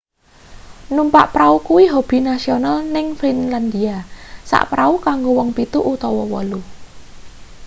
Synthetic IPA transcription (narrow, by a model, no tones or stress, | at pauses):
numpa̰ʔpɾaukuwiɦob̥i̤nasionalnɪŋfinland̪iasa̰ʔpɾaukaŋɡowɔŋpit̪uʔut̪ɔwɔwɔlu